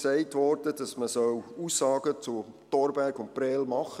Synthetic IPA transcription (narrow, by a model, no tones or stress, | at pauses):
sɛɪtʋɔɾdəd̥ɑsməsœwuːsːɑːɡ̥ət͡sʊ | tɔːɾbæɾɡʊnt̚pɾɛːlmɑχə